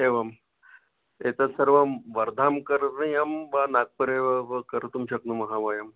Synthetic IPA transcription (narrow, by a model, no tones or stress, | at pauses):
eʋam | et̪asəɾʋamʋəɾd̪ʱamkəɾnəjambanak̚pəɾeʋaʋəkəɾt̪umɕəknəmɐɦaʋajam